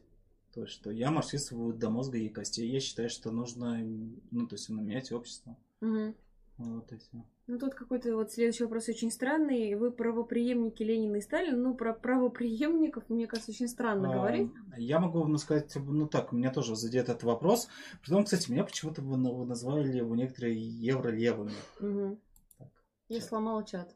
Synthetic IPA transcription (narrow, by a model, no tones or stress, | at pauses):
t̪o̞ɪsʲʂt̪o̞jamɐrt͡ɕist̪əvʊd̪ɐmo̞zɡəɪkɐsʲtʲejjaɕːɪ̥t̪ajʊʂt̪o̞nuʐnənut̪o̞jɪsʲtʲnəmʲɪnʲætʲopɕːɪ̥st̪və | m̩ɦm̩ | vot̪ːoɪsʲt̪ʲ | nut̪ut̪kɐko̞jt̪əvo̞t̪sʲlʲed̪ʊʉɕːivɐpɾo̞sot͡ɕɪnʲst̪ɾanːɨjvɨpɾəvəpɾʲɪjemnʲɪkʲɪlʲenʲɪnɨɪst̪alʲɪnnupɾəpɾəvəpɾʲɪjemnʲɪkəfmnʲekaʐt̪əot͡ɕʲɪnʲst̪ɾanːəɡəvɐɾʲitʲjamɐɡunuskɐzat̚ʲnut̪akmʲɪnʲat̪o̞ʐɨzɐd̪ʲjet̪ɛt̪ət̪vɐpɾo̞spɾʲɪt̪omkst̪atʲɪmʲɪnʲapə̥t͡ɕɪmut̪əvɨnvɨnɐzvalʲɪlʲɪjɪvonʲekət̪əɾɨjəjevɾəlʲevɨmʲɪm̩ːɦm̩ | t̪ak | jaslˠɐmɑlˠt͡ɕat̪